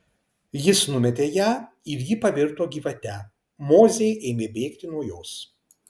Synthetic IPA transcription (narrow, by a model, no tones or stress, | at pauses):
jɪsnʊmʲɛt̪ʲeːjæː | ɪɾjɪpɐʋʲɪɾt̪oːɡʲiːʋɐt̪ʲɛ | moːzʲejʔɛːmʲeːbʲɛːkt̪ʲɪnuɔjoːs